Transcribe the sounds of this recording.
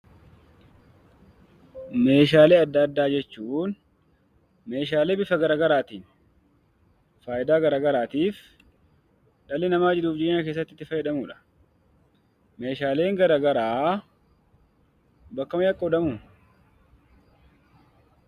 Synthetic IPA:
me̞ːʃ̬aːle̞ːɐd̪ːɐd̪ːaːd͡ʒɛt͡ʃːuːn | me̞ːʃaːleːbɪfɐɡɐɾaːɡɐɾaːt̪iːn | faːjɪd̪aːɡɐɾaːɡɐɾaːt̪iːf | ᶑɐlːɛnɐmaːd͡ʒɪɾuːfd͡ʒeːɲːake̞ːs̬ːɐt̪ːɪt̪ːɪfɐjɛᶑ̪ɐmuːᶑɐ̥ | me̞ːʃaːle̞ːŋɡɐɾaːɡɐɾaː | bɐkːɐmɐjɐkʼɔd̪ɐmʊ

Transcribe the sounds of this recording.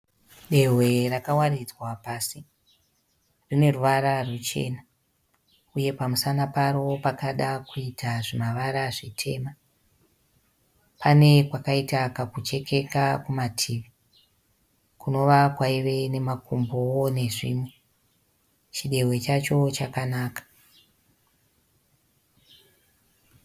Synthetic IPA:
ɗe̞ɦwe̞rakawarid͡zwapaːsi | rine̞ruʋaɾarut͡ʃe̞̰ːna | uje̞pamusanapaɾopakaɗakuitʰaʐimaʋaɾaʐitʰe̞ma | pane̞kwakaitakakut͡ʃe̞ke̞kakumatʰiːʋi | kuno̞ʋakwaiʋe̞ne̞makumbowone̞ʐḭːmwe̞ | t͡ʃiɗe̞we̞t͡ʃat͡ʃo̞t͡ʃakanaːkḁ

